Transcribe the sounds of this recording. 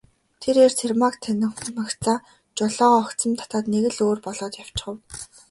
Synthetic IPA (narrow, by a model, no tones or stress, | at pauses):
t̪ʰeɾert͡sʰermakt̪ʰænɪ̆χmakt͡saː | t͡ɕʊɮɔːʁːkt͡sə̆mt̪ʰḁt̪aːt̪neɣɘ̆ɮoːrpɔɮɔːt̪jaw̥t͡ɕχə̆w